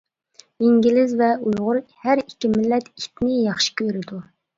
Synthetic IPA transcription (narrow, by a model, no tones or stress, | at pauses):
iŋɡʲilɪzvɛujʁʊɾhæɾikʲːimɪlːɛt̪it̪nɪjɑχʃi̥kʲʰøɾɪd̪u